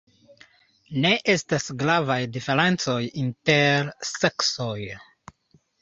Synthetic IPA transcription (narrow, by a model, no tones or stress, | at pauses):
ne̞ʔe̞stasɡɾavajdifeɾe̞nt͡so̞jinteɾseksoj